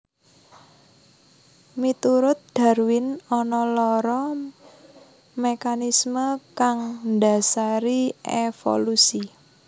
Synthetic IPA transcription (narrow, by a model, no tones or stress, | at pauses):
mit̪uɾʊt̪̚d̪̥a̤rwɪnɔnɔlɔɾɔ | mekanisməkaŋdasaɾiefo̰lusi